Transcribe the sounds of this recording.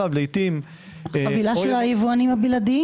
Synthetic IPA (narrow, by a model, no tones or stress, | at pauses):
avlejt̪im | avilaʃelajivuanimabilad̪i